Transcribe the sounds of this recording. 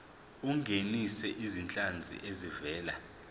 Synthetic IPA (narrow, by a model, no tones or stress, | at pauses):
uŋɡʱenisɛʔizint͡ɬʼand͡zʱḭʔezivɛːla